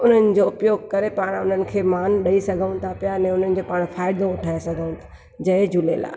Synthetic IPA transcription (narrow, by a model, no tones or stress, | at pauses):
ʊn̤ənɪ̆d͡ʑoʊpjoːɡ̚kɐɾepaːɽ̃ʊn̤ənɪ̆kʰeːmaːnɗɐisɐɡʱəʊ̃t̪ʰapijanɛ̃ːʊnənɪ̆d͡ʑoːpaːɽ̃faːɪd̪õʊʈʰaːesɐɡʱəʊ̃t̪ʰḁ | d͡ʑɐd͡ʑʊlela̰ː